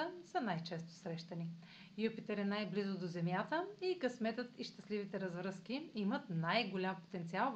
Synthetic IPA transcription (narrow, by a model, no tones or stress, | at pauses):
əsənajt͡ʃɛst̪o̥sɾɛʃt̪əni | jupit̪ɛɾɛnajblizʊd̪ozɛmjat̪əikɐsmɛt̪ət̪iʃt̪ɐslivit̪ɛɾɐzvɾɤsk̟iimət̪najɡolʲampo̥t̪ɛnt̪sialˠ